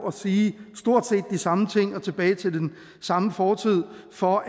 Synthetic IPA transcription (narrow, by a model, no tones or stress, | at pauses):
ɒ̽siːsd̥o̝ɐ̰d̥se̝̰ːd̥ːisɑ̈mət͡sʰe̝ŋ̰ɒ̽t͡sʰe̝b̥ɛːɪt͡sʰe̝ld̥en | sɑ̈məfɒːt͡sʰið̰ˠfɒ̽